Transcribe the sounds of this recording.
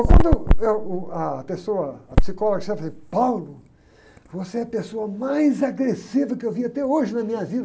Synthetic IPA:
kwɐ̃nd̪ʊewɐpesowɐːpsikɔloɡɐʃɛfɪd̪ɪpawlʊ | voseɛɐpesoɐmajzaɡɾesivɐkɪewviɐt̪ɛoʒɪnɐmĩɲɐvid̪ɐ

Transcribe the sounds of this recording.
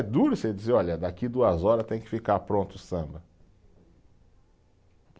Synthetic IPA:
ɛd̪uɾʊsed͡ʒizeɾɔʎɐd̪akid̪uɐzɔɾɐst̪ẽj̃kɪ̥fikaɾpɾõnt̪ʊsɐ̃mbɐ

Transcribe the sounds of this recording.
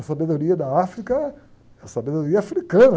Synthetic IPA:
ɐsabed̪oɾiɐd̪ɐafɾikɐ | ɐsabed̪oɾiɐafɾikɐ̃nɐ

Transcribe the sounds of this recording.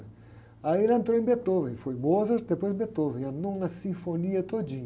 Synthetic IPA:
aiɾɐẽnt̪ɾowẽbet̪ovẽfojbozɐʃd̪epojz̃bet̪ovẽɐ̃nd̪õwnɐsĩfoniɐt̪od͡ʒĩɲ

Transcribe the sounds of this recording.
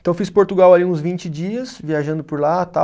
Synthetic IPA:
ent̪ɐ̃w̃fispoɾt̪uɡawaliũzvĩnt͡ʃɪd͡ʒiɐsviaʒɐ̃nd̪ʊpoɾlat̪a

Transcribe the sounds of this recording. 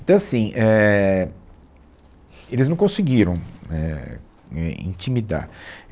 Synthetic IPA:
ẽt̪ɐ̃w̃asĩʔɛ | elɪznɐ̃w̃kõsiɡiɾɐ̃w̃nɛ̰ | ɛḭ̃t͡ʃimid̪a̰ɾ

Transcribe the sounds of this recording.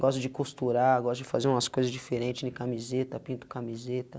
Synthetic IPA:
ɡɔs̬t̪ʊd͡ʒɪkust̪uɾaɡɔst̪ʊd͡ʒɪfazeɾũmɐskojzɐzd͡ʒifeɾẽt͡ʃɪznɪ̃kamizet̪ɐpĩnt̪ʊ̥kamizet̪ɐ

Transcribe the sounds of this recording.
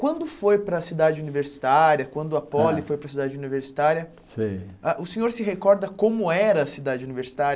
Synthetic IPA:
kwɐ̃nd̪ʊfojpɾɐsid̪ad͡ʒɪuniveɾsi̥t̪aɾjɐkwɐ̃nd̪ʊɐpɔlifojpɾɐsid̪ad͡ʒɪuniveɾsi̥t̪aɾjɐ | sḭ̃aʔʊsẽɲoɾsɪɦekɔɾd̪ɐkõmʊɛɾɐːsid̪ad͡ʒɪuniveɾsi̥t̪aɾɐ

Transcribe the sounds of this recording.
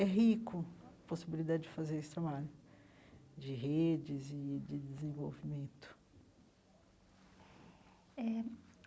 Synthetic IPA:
ɛɦikʊposibilid̪ad͡ʒɪd͡ʒɪfazeɾesɪ̥t̪ɾabaʎʊ | d͡ʒɪɦed͡ʒɪzɪd͡ʒɪd͡ʒ̪ɪzẽvo̰wvimẽt̪ʊ̥ | ɛ

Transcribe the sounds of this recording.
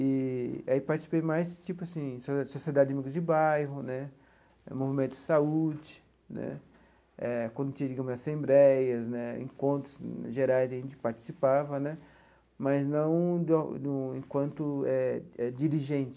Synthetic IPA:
ɪaipaɾt͡ʃisi̥pejmajzd͡ʒɪt͡ʃipʊasĩssosied̪ad͡ʒɪd͡ʒamiɡʊzd͡ʒɪbajɦʊnɛ | ɛ̰movimẽnt̪ʊd͡ʒɪ̥saud͡ʒɪ | nɛ̰ | ɛkõnd̪ʊt͡ʃĩɐd͡ʒiɡɐ̃mʊzasẽmbɾɛjɐznɛḛ̃kõnt̪ɾʊzʒeɾajzaĩnd͡ʒɪpaɾt͡ʃi̥sipavɐnɛ | mɐznɐ̃w̃d̪d̪ʊẽkwɐ̃nt̪ʊɛɛd͡ʒiɾiʒẽnt͡ʃɪ

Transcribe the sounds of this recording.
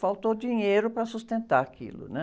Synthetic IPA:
fawt̪owd͡ʒiɲejɾʊpɾɐsust̪ẽnt̪aɾakʰḭlʊ̰nɛ

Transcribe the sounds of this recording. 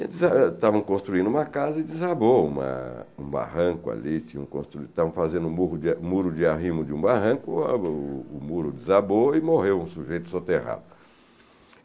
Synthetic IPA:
ḛ̃t̪zat̪avɐ̃w̃kõst̪ɾuĩnd̪ʊũmɐkazɐɪd͡ʒɪzaboũmɐ̰ũba̰hɐ̃kʊa̰lit͡ʃĩɲɐũkõ̰st̪ɾuit̪avɐ̃w̃fazẽnd̪ʊmuʊd͡ʒmuɾʊd͡ʒɪaɦĩmʊd͡ʒɪũbaɦɐ̃kʊː | muɾʊd͡ʒɪzaboɪmohewũsuʒejt̪ʊ̥sot̪eha̰d̪ʊ

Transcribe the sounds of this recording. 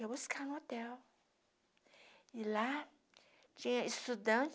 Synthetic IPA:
ebuskanʊot̪ɛw | ila | t͡ʃĩɲɐ̃ist̪ud̪ɐ̃t͡ʃ

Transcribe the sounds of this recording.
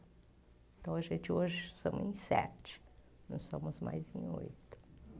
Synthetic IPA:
ẽt̪ɐ̃w̃ɐʒẽnt͡ʃɪoʒɪst̪õmʊzḛ̃j̃sɛ̰t͡ʃɪ̥ | nɐ̃w̃sõmʊzma̰jzẽj̃o̰jt̪ʊ̥

